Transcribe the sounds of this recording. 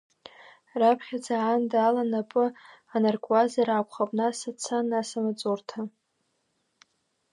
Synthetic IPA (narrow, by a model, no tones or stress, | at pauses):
rapʰχʲad͡zaʕandalanapʼɨanarkʷʼazarakʷχapʼnasat͡sʰanasamat͡sʼurtʰa